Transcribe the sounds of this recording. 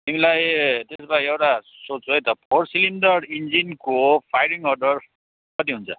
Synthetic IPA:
t̪imilajt̪esbaiewʈa | sott͡sʰuɦʌjt̪ʌpʰorsilind̪ʌrind͡zinkopʰajɾiŋɔrɖʌr | kʌt̪̬iɦunt͡sʰʌ

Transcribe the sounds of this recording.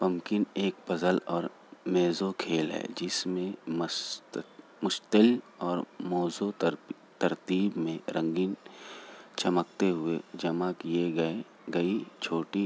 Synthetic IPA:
pɐmkɪneːk̚pɐzəlɔːɾ | meːzokʰeːlɦɛ̰ːd͡ʒɪsmẽm | mʊʃt̪əl | ɔːɾmɔːzo | t̪ɐɾt̪iːbmẽɾɐ̃ŋɡiːn | t͡ʃɐmək̚t̪eɦʊed͡ʒɐmakieɡɐe | ɡɐit͡ʃʰoːʈi

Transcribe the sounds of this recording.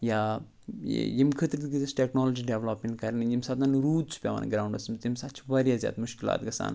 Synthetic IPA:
ja̰ː | jimkʰət̪ɾit̪ɡizɐsʈeknoːlod͡ʒiɖeʋloːpmẽɳʈkɐɾnjimsaːt̪ɐnɾuːd̪̚t͡sʰu̥pʲaʋa̰nɡɾaːuɳɖɐsimt̪imsat͡ʃʰiʋɐɾijazja̰ːt̪muʃkila̰ːt̪̚ɡɐsa̰ːn

